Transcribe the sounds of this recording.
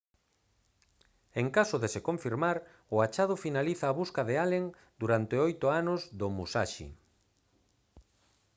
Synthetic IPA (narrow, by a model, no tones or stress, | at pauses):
eŋkasʊðesekõɱfiɾmaɾ | ʊat͡ʃað̞ʊfinaliθaːβuskaðealeŋ | d̪uɾant̪eojt̪ʊanʊzðʊmusa̰ʃḭ